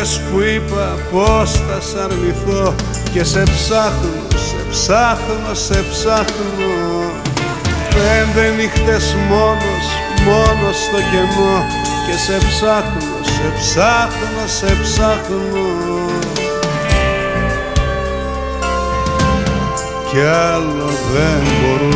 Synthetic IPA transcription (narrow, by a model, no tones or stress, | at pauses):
eskwipa | post̪asaɾmiθo | cesepsaxnosepsaxnosepsaxno | pend̪enixt̪esmonos | monost̪ocemo | cesepsaxnosepsaθnosepsax | no | cealoðemboɾu